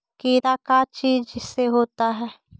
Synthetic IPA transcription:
keːɾakat͡ʃiːzd͡ʒɪsːeɦoːt̪aɦɛː

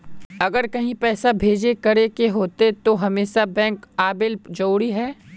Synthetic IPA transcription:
ɐɡəɾkɐɦĩpɛːsabʱeːd͡ʒekɐɾekeɦoːt̪et̪oɦɐmeːʃabɛ̃ːŋkaːbɪld͡ʒoːɽiɦɛː

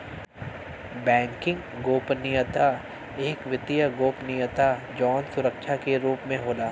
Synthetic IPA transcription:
bɛ̃ːŋkɪ̃ŋɡɡoːpnijət̪a | eːkʋɪt̪ijəɡoːpnɪjət̪ad͡ʒɔːnsʊɾəkʃʰakeɾuːpmẽɦoːlaː

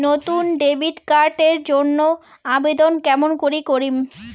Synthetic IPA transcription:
not̪unɖebiʈkaɾʈeɾd͡ʑonːo | abed̪onkɛmonkoɾikoɾim

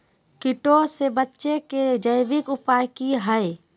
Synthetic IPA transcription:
kɪʈosebətːʃeked͡ʒəjbɪkʊpaːjkiɦəe

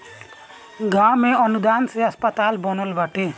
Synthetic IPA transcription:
ɡameʌnud̪anseʌspʌt̪albʌnolbaʈe

